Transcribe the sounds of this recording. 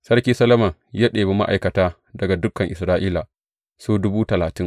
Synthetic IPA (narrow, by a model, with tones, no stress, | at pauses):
sɐ˦rkʲiː˦sɐ˦lɐ˦mɐ˨ŋja˦ɗeː˨bi˦ma̰˦ʔa˨jkɐ˨taː˦ | dɐ˨ɡa˨dʊ˦kːɐ˨ŋʔɪ˨sɾaː˦ʔiː˦la˨ | suː˦dʊ˦buː˦tɐ˨laː˨tɪ˦ŋ